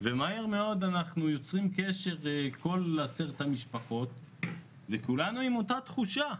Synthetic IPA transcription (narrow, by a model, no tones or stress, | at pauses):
vemaeʁmeo̞d̪anaχnujo̞t͡sʁimkeʃe̞ʁeko̞laseʁet̪hamiʃpaχo̞t̪ | vekulanuimo̞tat̪χuʃa